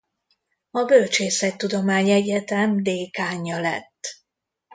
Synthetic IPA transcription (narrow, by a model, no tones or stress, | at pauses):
ɒbølt͡ʃeːsɛt̪t̪ːud̪o̞maːɲɛɟɛt̪ɛmd̪eːkaːɲːɒlɛ̰t̪ː